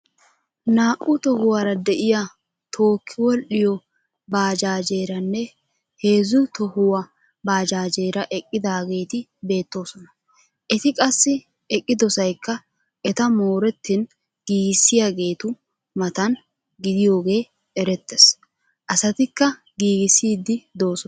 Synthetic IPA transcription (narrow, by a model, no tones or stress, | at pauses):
naːʔʊt̪ɔhʊwaːɾɐd̪ɛʔɪja | t̪ʰo̞ːkʰːɪwɔlʔɪjɔ | baːd͡ʒaːd͡ʒe̞ːɾɐnːɛ | he̞ːzʊt̪ɔhʊwɐ | baːd͡ʒaːd͡ʒe̞ːɾɐʔɛkʼːɪd̪aːɡe̞ːt̪ɪbe̞ːt̪ːo̞ːsɔnɐ | ʔɛt̪ɪkʼɐsːɪ | ɛkʼːɪd̪ɔsɐjkːɐ | ʔɛt̪ɐmo̞ːɾɛt̪ːɪn | ɡ̥iːɡɪsːɪjaːɡe̞ːt̪ʊ | mɐt̪ɐn | ɡɪd̪ɪjo̞ːɡe̞ː | ɛɾɛt̪ːes | ʔɐsɐt̪ɪkːɐ | ɡiːɡɪsːiːd̪ːɪd̪o̞ːsɔ